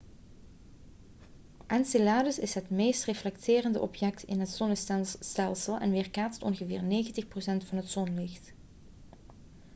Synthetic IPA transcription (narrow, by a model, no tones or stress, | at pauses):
ʔɛnsɪlaːdəsɪsɦətmeːstreflɛktʰɪːrəndə̰ʔɔpjɛk̚tɪnɦətsonəstɛnsstɛlˠsəlˠɛ̰nʋɪːrkaːttɔnɣəvɪ̰ːrnejɣəntəxprosɛntfɑnɦətsonlɪxt